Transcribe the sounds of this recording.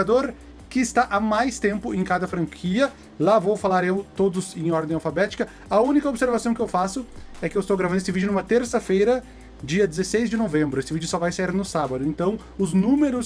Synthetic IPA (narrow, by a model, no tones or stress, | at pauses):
ad̪oɾ | kɪɪst̪aʔamajst̪ẽmpʊẽj̃kad̪ɐfɾɐ̃ŋkʰiɐ | lavowfalaɾewt̪od̪ʊzẽj̃ɔɾd̪ẽj̃awfabɛt͡ʃi̥kɐ | ɐũnikɐobseɾvasɐ̃w̃kɪewfasʊɛkɪewɪst̪owɡɾavɐ̃d̪esɪvid͡ʒʊnumɐt̪eɾsɐfejɾɐ | d͡ʒiɐd̪ɪzesejzd͡ʒɪnovẽmbɾʊesɪvid͡ʒʊsɔvajsaiɾnʊsabɐd̪ʊẽnt̪ɐ̃w̃ | ʊznũmeɾʊs